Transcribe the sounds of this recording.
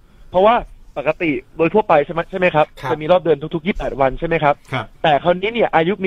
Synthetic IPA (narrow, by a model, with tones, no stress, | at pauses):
pʰɾɔ˦˥waː˥˩pa˨˩ka˧t̪i˨˩doː˧j̪ʰu˥˩əpa˧jt͡ɕʰa˥˩m˦˥t͡ɕʰa˥˩ma˦˥jkʰa˦˥p̚t͡ɕa˨˩miː˧ɾɔː˥˩p̚dɯ˧ənt̪ʰu˥t̪ʰu˦˥kjiː˥˩pɛː˨˩t̪̚wa˧nt͡ɕʰa˥˩jma˦jkʰa˦˥p̚ʰt̪ɛː˨˩kʰa˧˥˩wniː˦˥ni˥˩ɐʔaː˧ju˦˥miː˧